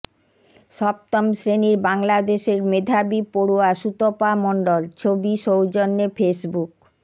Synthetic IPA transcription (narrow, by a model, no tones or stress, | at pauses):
ʃɔb̚t̪ɔmsɾeniɾbaŋlad̪eʃeɾmed̪ʱabipoɽuaʃut̪opamɔɳɖolt͡ɕʰobiʃowd͡ʑonːefesbuk